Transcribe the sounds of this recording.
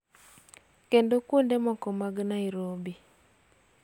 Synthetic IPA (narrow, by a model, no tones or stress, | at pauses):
kendokwondemɔkɔmaɡnaiɾobi